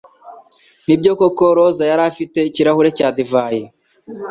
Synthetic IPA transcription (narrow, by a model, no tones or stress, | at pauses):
nibɟo̞kokoɾozajaɾaːfite̞iciɾahuɾe̞caːdivaːje